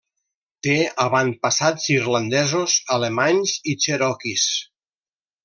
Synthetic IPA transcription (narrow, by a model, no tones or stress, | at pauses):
t̪eaβan̚pasazirland̪ɛzozalemaɲzit͡ʃeɾɔkis